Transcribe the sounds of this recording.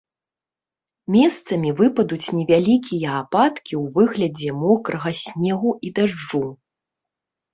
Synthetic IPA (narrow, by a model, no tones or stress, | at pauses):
mʲɛst̪sɐmʲivɨpɐd̪ut͡sʲnʲɛvʲalʲikʲijɐapat̪kʲiwvɨɣlʲɐd͡zʲɛmɔkɾɐɣɐsʲnʲɛɣuʔid̪aʐd͡ʐu